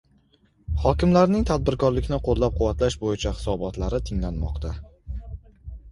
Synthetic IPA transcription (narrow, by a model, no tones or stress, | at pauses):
χɒkʲɪmlaɾnɪŋt̪ʰad̪̚bɪɾkʰɒɾlɪkʲnɪqʰolˠːap̚qʰʊwːat̪laʃbojɪt͡ʃʰahɪ̥sɒbɒt̪laɾɪt̪ʰɪŋlanmɒ̰qt̪ʰa